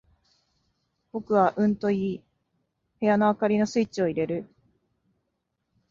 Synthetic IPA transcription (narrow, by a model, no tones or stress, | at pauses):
b̥o̞kɯ̟βaʔɯ̟̃nt̪o̞iː | he̞jano̞akaɾʲino̞sɨit͡ɕio̞iɾe̞ɾɯ̟